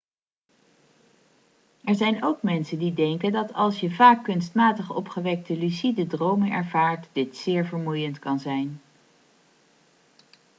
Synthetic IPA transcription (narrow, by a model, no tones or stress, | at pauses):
ɛɹzɛjnowkmɛnsəndidɛŋkəndɑtɑlˠsjəvaːkːɵnstmaːtəχɔ̰pχəʋɛk̚təlysidədrowmənɛ̰ɹvaːɹtdɪtsɪːɹvəɹmujəntkɑnzɛjn